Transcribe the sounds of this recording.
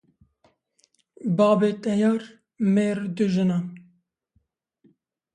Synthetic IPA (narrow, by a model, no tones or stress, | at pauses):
bɑːbeːt̪ɛjɑːɾ | meːɾd̪ɨʒɨna